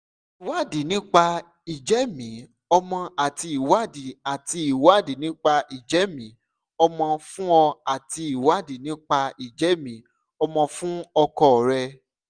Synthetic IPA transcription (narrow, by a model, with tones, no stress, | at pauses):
i˨wa˦di˨˦nĩ˦k͡pa˧ | i˨d͡ʒɛ˨˦mĩ˨˦ | ɔ˧mɔ̃˧a˨ti˧i˨wa˦di˨a˨ti˧i˨wa˦di˨˦nĩ˦k͡pa˧i˨d͡ʒɛ˨˦mĩ˨˦ | ɔ˧mɔ̃˧fũ˦ɔ˧a˨ti˧i˨wa˦di˨nĩ˦k͡pa˧i˨d͡ʒɛ˨˦mĩ˨˦ | ɔ˧mɔ̃˧fũ˦ɔ˧kɔ˦˨ɾɛ˧